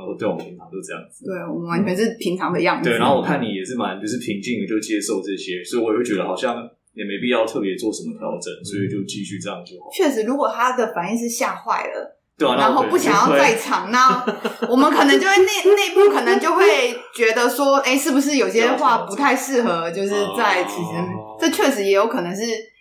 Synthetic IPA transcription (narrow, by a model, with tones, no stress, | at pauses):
t̪we˥˩ɪ̰˩˨pʰi˧ŋnʰʈ͡ʂʰɑ˧˦t͡ɕo˥ʊ˥˧jɑ̰˥ŋ˩t̪we˥˩ɪwɔ̰˨˩mə˦nwa˧˦nt͡ɕʰɥɛ˧˥nʂɻ̩˥˩pʰi˧˥ŋʈ͡ʂʰɑ˧˥ŋd̪ə˧jɑ˥˩ŋwna˧˦xo˥˩wɔ˨˩kʰa˥˩ni˨˩jɛ˨˩ʂɻ̩˥˩ma˧˦nt͡ɕjo˥˧ʂɻ̩˥˩pʰi˧˥ŋt͡ɕi˥˩ŋni˨˩t͡ɕo˥˧˩ʂt͡ɕjɛ˦˥ʂo˥˧ʊʈ͡ʂɤ˥˩ɕjɛ˦swɔ˧˥i˨wjwt͡ɕɥɛ˧d̪ə˧˩ɑ˨˩ʊɕjɑ˥˩ŋ | ni˨ɛ˨me˧˥ɪpi˥˩jɑ˥˧ʊt̪ʰɤ˥˩pjɛ˧˦t͡swɔ˥˩ʂə˧˦nmə˦p̪ʰjɑ̰˧˦ʊʈ͡ʂə˧˦nswɔ˧˥i˥˨˩t͡ɕjo˥˧ʊt͡ɕi˥˧ɕy˥˧ʈ͡ʂɤ˥˧jɑ˥˩ŋ˨˩o˥˩˨t͡ɕʰɥɛ˥˩ʂɻ̩˧˥ɻu˧˥kwɔ˨˩t̪ʰa˥d̪ə˨fa˨˩ni˥˧ŋʂ̬ɻ̩˥˧ɕja̰˥˧xwa̰˥˩ɪlə̰˩ | t̪we˥˩˨n˥a˧˦ŋxo˥˧ʊpu˥˩ɕjɑ˨˩ŋjɑ˥˧˥a˥˧ɪ˥˩ʈ͡ʂʰɑ˨˩ŋna˥˩wɔ˨˩mə˦nkʰɤ˨˩nə˧˦t͡ɕjo˥˧ʊwe˥˧ne˥˧ɪne˥˧i˧pu˥˩kʰɤ˨˩nə˨˧˦ŋt͡ɕjo˥˧ʊxwe˥˩ɪt͡ɕɥɛ˧˥d̪ə˧swɔ˥e˥˩ɪʂɻ̩˥˩bu˩ʂ̬ɻ̩˥˩jo˨˩i˩ɕjɛ˥˧xwa˥˩pu˧˥t̪ʰa˥˧ɪʂɻ̩˥˩xɤ˧˦t͡ɕjo˥˧ʊʂɻ̩˥˧t͡sa˥˩ɪt͡s̩ʰ˨˥t͡ɕi˧˥ŋʈ͡ʂɤ˥˧t͡ɕʰɥɛ˥˩ʂ̬ɻ̩˧˥jɛ˧˥jo˧˥ʊkʰɤ˨˩nɤ˧˥ŋʂɻ̩˥˩